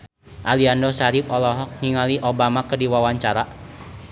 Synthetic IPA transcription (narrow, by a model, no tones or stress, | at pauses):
ʔaliandɔsaɾip̚ɔlɔɦɔŋiŋaliʔobamakərdiwawaɲt͡ʃaɾa